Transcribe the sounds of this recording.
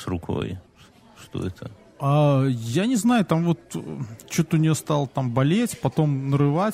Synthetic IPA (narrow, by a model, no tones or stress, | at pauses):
sɾʊkʰo̰j | ʂt̪o̰ɛt̪ʰə | ajanʲɪznajʊt̪amvo̞t̪t͡ɕo̞t̪əʊnʲɪjost̪ɑlˠət̪ambɐlʲetʲpɐt̪o̞mnəɾɨvatʲ